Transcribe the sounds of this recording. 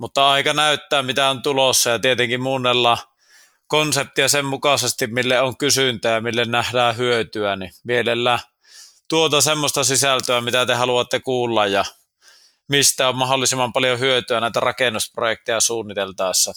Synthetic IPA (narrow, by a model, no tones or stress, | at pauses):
mut̪ːɑɑˑikɑnæˑyt̪ːæːmit̪æont̪ulosːɑjɑt̪iet̪eŋkimmuːnːelːɑ | konsep̚t̪iɑsemmukɑsest̪immilːeoŋkysynt̪æːjɑmilːennæhdæːhyøt̪yænimielelːæː | t̪uot̪ɑsemːost̪ɑsisælt̪øæmit̪æt̪ehɑluɑt̪ːekuːlːɑjjɑ | mist̪æommɑholːˑisimːɑmpɑljohyøt̪yænæˑit̪ærɑkenːusprojek̚t̪ejɑsuːnːit̪elt̪ɑˑesːɑ